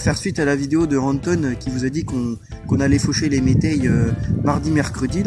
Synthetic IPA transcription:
fɛʁsɥit̪alavid̪eod̪əʁɑ̃nt̪ɔnkʲivuzad̪ikɔ̃ | kɔ̃nalɛfoʃelemet̪ajømaʁd̪imɛʁkχəd̪i

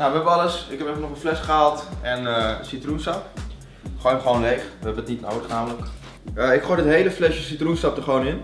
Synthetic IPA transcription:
naʋəɛbəʋəɑləsɪkɛpɛfənɔχənflɛsχəalˠtɛnəsitrunstɑp | χojmχʋownlejχʋəɦɛbənətnitno̰wdəχnaːmələk | əɪkχojdətɦejləflɛʃəsitrunstɑp̚dəχəʋoːwnɪn

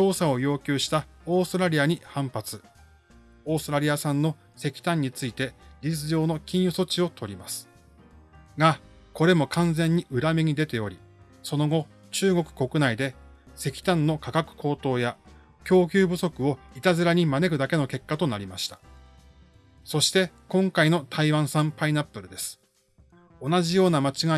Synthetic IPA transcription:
t͡ɕo̞ːsao̞jo̞ːkʲɨːɕi̥t̪ao̞ːst̪oɾaɾʲiaɲ̟ihãmpat͡sɨ | o̞ːst̪ɾaɾʲijasãnːo̞ | se̞kʲi̥t̪ãɲ̟ːit͡sɨit̪e̞ɾʲizɨjo̞ːno̞kʲĩɰ̃joso̞t͡ɕio̞t̪ʰo̞ɾʲimasɨ̥ | ɡa | ko̞ɾe̞mo̞kʰãñd͡zẽ̞ɲ̟ːiʔɯ̟ɾamʲiɲ̟id̪e̞t̪e̞o̞ɾʲi | so̞no̞ɡo̞ | t͡ɕɨːɡo̞kɯ̟̥ko̞kɯ̟naid̪e̞ | se̞kʲi̥t̪ãnːo̞kakakɯ̟̥kʰo̞ːt̪o̞ːja | kʲo̞ːkʲɨːbɯ̟so̞kɯ̟o̞it̪azɨɾaɲ̟imane̞kɯ̟d̪ake̞no̞ke̞kːat̪o̞naɾʲimaɕi̥t̪ḁ | so̞ɕi̥t̪e̞kõ̞ŋkaino̞t̪ʰaiβãɰ̃sãmpainapːɯ̟ɾɯ̟d̪e̞sɨ̥ | o̞naʑijo̞ːnamat͡ɕiɡa

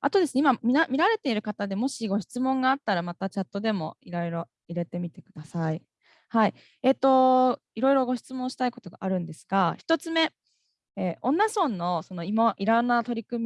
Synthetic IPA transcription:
at̪o̞d̪esɨneimamʲiamʲiɾaɾe̞t̪e̞iɾɯ̟kat̪ad̪e̞mo̞ɕiɡo̞ɕi̥t͡sɨmõ̞ŋɡaːt̪ːaɾamat̪at͡ɕat̪ːo̞d̪e̞mo̞iɾo̞iɾo̞ | iɾe̞t̪e̞mʲit̪e̞kɯ̟d̪̥asai | hai | e̞t̪ːo̞ | iɾo̞iɾo̞ɡo̞ɕi̥t͡sɨmõ̞ɰ̃ɕi̥t̪aiko̞t̪o̞ɡa̰ʔaɾɯ̟̃nd̪e̞sɨ̥ɡ̥açi̥t̪o̞t͡sɨme̞ | eːõ̞nːasõ̞nːo̞so̞no̞imaʔiɾanːat̪o̞ɾʲikɯ̟mʲ

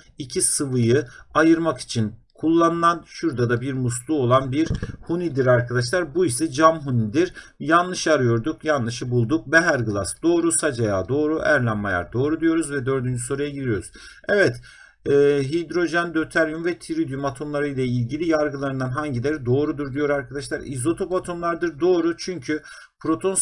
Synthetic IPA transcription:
icʰisɯvɯjɯajɯɾmaki̥t͡ʃʰinkʰulˠːanɯnanʃuɾd̪ad̪abiɾmuslˠuo̞lˠanbiɾhunid̪iɾaɾkʰad̪aʃ̬lˠaɾbuisɛd͡ʒamɦunid̪iɾ | janlˠɯʃaɾɯjo̞ɾd̪ukjanlˠɯʃɯbulˠd̪uk̚bɛɦæɾɡɯlˠasd̪o̞ːɾusad͡ʒajaːd̪o̞ːɾuʔæɾlʲænmaja̰ɾd̪o̞ːɾud̪ijo̞ɾuzvɛd̪ø̞ɾd̪ynd͡ʒyso̞ɾujaɟilʲijo̞ɾuz̥ | ɛvɛt̪ | ɛːɦid̪ɾo̞ʒɛnd̪øt̪ʰæɾjumvɛt̪ʰiɾid̪jymat̪ʰo̞mlˠaɾɯjlʲˠɛilʲɟilʲijaɾɡɯlˠaɾɯnd̪anɦaɲɟilʲæɾd̪o̞ːɾud̪uɾd̪ijo̞ɾaɾkʰad̪aʃlˠaɾḭzo̞t̪ʰo̞pat̪ʰo̞mlˠaɾd̪ɯɾd̪o̞ːɾut͡ʃʰyɲcʰy | pʰɾo̞t̪ʰo̞n

